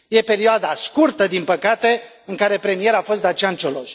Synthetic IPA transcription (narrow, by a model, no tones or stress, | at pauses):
je̞pe̞ɾioad̪askurt̪əd̪inpəkat̪e̞ | ɨŋkaɾe̞pɾe̞mije̞ɾafo̞st̪d̪at͡ʃant͡ʃeloʃ